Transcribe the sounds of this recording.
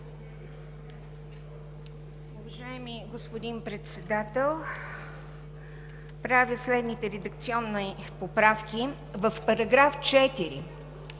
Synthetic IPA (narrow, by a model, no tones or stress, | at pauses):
ʊvɐʒaɛmiɡospod̪inpɾɛt̪sɛd̪at̪ɛlˠ | pɾavʲəslɛd̪nit̪ɛɾɛd̪əkt̪siɔnːi | popɾafki | vəfpɐɾɐɡɾaft͡ʃɛt̪iɾḭ